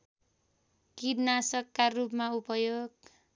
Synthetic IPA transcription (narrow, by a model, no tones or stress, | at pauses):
kidnasʌkːarupmaupʌjoɡ̚